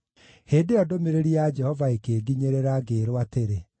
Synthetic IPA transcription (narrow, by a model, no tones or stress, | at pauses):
heːndeɔdomeɾeɾiad͡ʒɛhɔvaekeːɡiɲeɾeɾaɡeːɾwateɾe